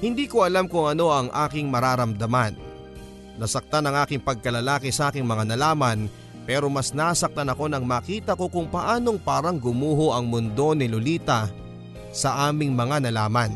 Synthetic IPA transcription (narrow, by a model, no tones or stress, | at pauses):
hɪnd̪iːkoʔɐlamkʊŋɐno̞ʔɐŋʔaːkɪŋmɐɾaːɾɐmd̪ɐmanː | ɐsɐk̚t̪anɐŋʔaːkɪŋpɐɡ̚kɐlɐlaːkɛsɐʔaːkɪŋmɐŋanɐlaːmɐn | pɛːɾo̞mɐsnasɐk̚t̪ɐnɐko̞nɐŋmaːkiːt̪ɐko̞kʊŋpɐʔaːno̞ŋpaːɾɐŋɡʊmuːɦoʔɐŋmʊnd̪o̞nɪlʊliːt̪ɐ | sɐʔaːmɪŋmɐŋanɐlaːmɐn